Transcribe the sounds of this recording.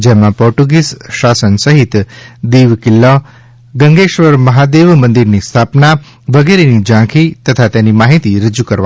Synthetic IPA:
d͡ʒɛmãpɔɾʈuɡisʃasənsəɦit̪d̪iʋkɪlːa | ɡə̃ŋɡeʃʋəɾməɦad̪eʋmənd̪iɾnist̪ʰapna | ʋəɡeɾenid͡ʒãkʰit̪ət̪ʰat̪enimaɦit̪iɾəd͡ʒukəɾʋa̰

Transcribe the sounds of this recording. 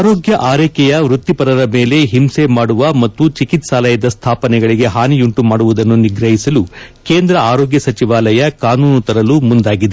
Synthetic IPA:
ɾoːɡjɐʔaːɾeːkɛjɐʋɾut̪ːipɐɾɐɾɐme̞ːle̞ɦimsemaːɽuʋɐmɐt̪ːut͡ʃikit̪saːlɐjɐd̪ɐst̪ʰaːpɐnɛɡɐɭiɡe̞ɦaːnijuɳʈumaːɽuʋud̪ɐnːuniɡɾɐɦisɐlukeːnd̪ɾɐaːɾoːɡjɐsɐt͡ʃiʋaːlɐjɐkaːnuːnut̪ɐɾɐlumund̪aːɡid̪e

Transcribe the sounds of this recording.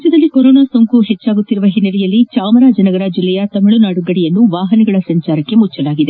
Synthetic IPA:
t͡ʃːɐd̪ɐlːikoɾoːnaːsoŋkuɦet͡ʃːaːɡut̪ːiɾuʋɐɦinːɐlɛjɐlːit͡ʃaːmɐɾaːd͡ʒɐnɐɡɐɾɐd͡ʒilːɛjɐt̪ɐmiɭunaːɽuɡɐɽijɐnːuʋaːɦɐnɛɡɐɭɐsɐɲt͡ʃaːɾɐkːe̞mut͡ʃːɐlaːɡid̪e̞

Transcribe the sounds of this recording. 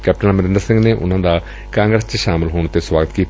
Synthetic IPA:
kɛːp̚ʈənməɾɪ̃nd̪əɾsɪ̃ŋɡneːʔʊ̰n̤ːãːnd̪aː | kãːŋɡɾəst͡ʃʃaːmɪlɦoːɳ̃t̪eːswaːɡət̪kiː

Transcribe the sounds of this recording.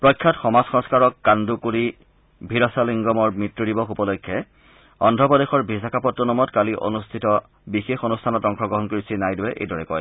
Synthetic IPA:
pɹɔjkʰːɔtxɔmazxɔ̃ŋskaɹɔkːandukuɹi | bʱiɹɔsaliŋɡɔmɔɹmitɹudibɔxupɔlojkʰːɛ | ɔndʱɔpɔdexɔɹbʱisakapɔtːɔnɔmɔtkaliʔo̰nustʰitɔ | bixexonustʰanɔtɔŋkʰɔɡɹɔɦɔnkoɹisinajdʊwɛʔḛjdɔɹɛkɔj

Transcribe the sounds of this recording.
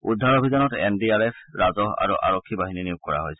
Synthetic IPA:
udʱːaɹobʱizɔnɔtɛ̰ndiaɹɛpʰɹazɔɦa̰ɹṵʔa̰ɹɔkʰːibaɦininiʊkkɔɹa̰ɦojs

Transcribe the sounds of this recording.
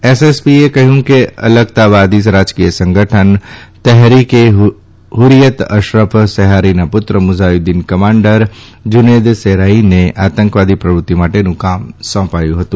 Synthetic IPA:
esespiekɐɦjũkeə̰ləɡt̪aʋaːd̪is̬ɾaːd͡ʒkijəsə̃ŋɡʱəʈʰənt̪ɛɦɾike | ɦʊɾijət̪ə̰ʃɾəpʰsɛɦaːɾinapʊt̪ɾəmʊzajud̪inkɐmãːɳɖəɾd͡ʒʊneːd̪seɾaːineʔaːt̪ə̃ŋkʋaːd̪ipɾəʋɾʊt̪ːimaːʈenũkaːmsɔ̃ːpaːjũɦət̪ũ

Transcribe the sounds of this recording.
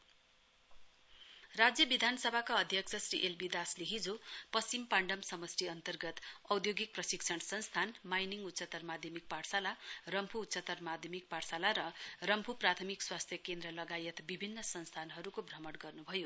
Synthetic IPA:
rad͡zjʌbid̪ʱanʌsʌbʱakaʌd̪ʱjʌksʰʌsriʔelbid̪asleɦid͡zopʌst͡simpaɳɖʌmsʌmʌsriʌnt̪ʌrɡʌt̪ʌwd̪joɡik̚prʌsiksʰʌnsʌnst̪ʰanmajniŋut̪ːsʌt̪ʌrmad̪ʱjʌmik̚paɽsalarʌmpʰuːt̪ːsʌt̪ʌrmad̪ʱjʌmik̚paɽsalaɾʌrʌmpʰuprat̪ʰʌmikswast̪ʰjʌkend̪rʌlʌɡajet̪bibʱinːʌsʌnst̪ʰanɦʌɾukobʱrʌmʌɽɡʌrnubʱʌjo

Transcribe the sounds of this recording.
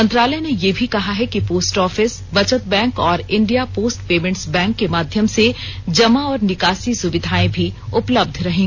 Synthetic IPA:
mɐ̃nt̪ɾaːləjnejebʱikɐɦaɦɛkipoːsʈɔːfɪs | ʋɐt͡ʃət̪̚bɛ̃ːŋkɔːɾɪ̃ɳɖijapoːsʈpeːmẽɳʈsbɛ̃ːŋkːemaːd̪ʱjəmsed͡ʒɐmaɔːɾnɪkaːsisʊʋɪd̪ʱaːẽbʱiʊpləb̚d̪ʱɾɐɦẽː

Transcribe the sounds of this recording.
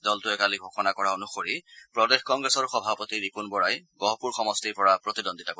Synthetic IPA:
dɔltʊɛkaliɡʱɔxɔnakɔɹaonuxoɹipɹɔdexkɔŋɡɹesɔɹxɔbʱapɔtiɹipunbɔɹajɡɔɦɔpuɹxɔmɔstiɹpɔɹapɹɔtidonditako

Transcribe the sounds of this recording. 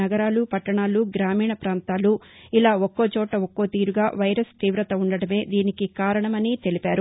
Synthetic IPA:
ɐɡɐɾaːlupɐʈːɐɳaːluɡɾaːmiːɳɐpɾaːnt̪aːlu | ilaːokːoːt͡ʃɔːʈːɐokːo̞ːt̪iːɾuɡaːʋɐjɾɐst̪iːʋɾɐt̪ɐuɳɖɐɽɐme̞ːd̪iːnikikaːɾɐɳɐmɐniːt̪elipaːɾu

